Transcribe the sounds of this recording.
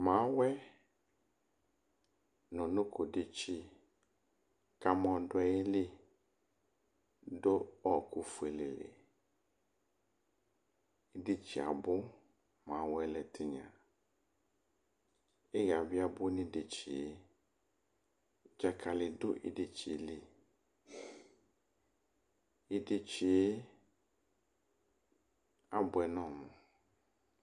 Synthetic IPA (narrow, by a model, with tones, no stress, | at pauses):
mãː˨˦wɛ˦ | nʊ̃˨nʊ̃˦kʰʊ˨dɪ˨t͡ʃi˦ | ka˨mɔ̃˨dʊ˦ɛ˨jɪ˦lɪ˦ | dʊ˦ɔ˨kʊ˦fu˨e˨lɪ˨lɪ̰˨ | dɪ˦t͡ʃi˨a̰˨bʊ˦ | mã˨˦wɛ˦lɛ˨tɪ˦ɲã̰˨ | ɪ˦ɣa˨vɪ˦a˦bʊ˦nɪ̃˦de˨t͡ʃi˨e˦ | d͡ʒa˨kʰa˨lɪ˨dʊ˦ʔɪ̰˦de˨t͡ʃi˨˦lɪ˦ | e˦de˨t͡ʃi˨e˦ | a˦bʊ˨ɛ˨nɔ̃˦˨mʊ̃˨